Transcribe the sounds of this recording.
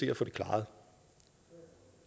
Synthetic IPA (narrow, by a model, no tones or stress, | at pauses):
e̝ɐfɔ̽ːde̝kʰlɑ̰̈ːð̩ˠ